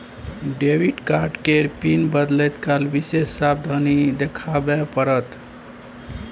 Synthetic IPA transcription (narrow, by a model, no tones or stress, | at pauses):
ɖeʋiɖkaɾʈkeɾpinbəd̪lɛt̪kalbisesːab̚d̪ʱənid̪ekʰabepəɾət̪